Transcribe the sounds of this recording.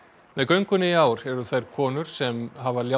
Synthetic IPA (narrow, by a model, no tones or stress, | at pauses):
mɛðkœɥŋkʏnːɪiaːwɾɛɾʏθajɾ̥kʰɔːnʏɾ̥sɛmɦavalja